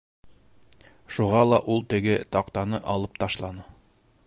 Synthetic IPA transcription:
ʃuʁɑlˠɑʔulˠt̪ɘ̆ɡɘt̪ɑqt̪ɑnɤʔɑlˠɤp̚t̪ɑʃlˠɑnɤ

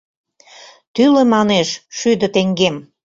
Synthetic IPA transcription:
t̪ylĕmɑneʃʃyd̪ə̆t̪eŋɡem

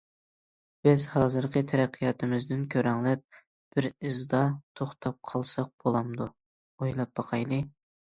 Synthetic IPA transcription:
b̥ɪzhɑːzɨɾqʰət̪ʰæɾæqʰːijɑːt̪ʰɨmɪzd̪ɪnkʲʰøɾɛŋlˠɛp̚ | b̥ɪɾɨzd̪ɑt̪ʰoχt̪ʰɑp̚qʰɑlˠsɑq̚b̥olˠɑmd̪u | ojlˠɑp̚b̥ɑqʰɑjlˠɨ

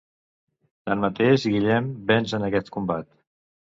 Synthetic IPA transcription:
t̪anmət̪eʒɣiʎɛmbɛnzənəkɛt̪kumbat̪

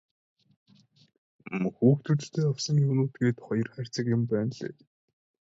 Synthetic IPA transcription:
mxuːxt̪ʰut͡ɕt̪eːɔwsɞ̆ŋuwnuːt̪ɡeːt̪χɔjɞ̆rχær̥ʲt͡sə̆kjʊmpæːnɮḛː

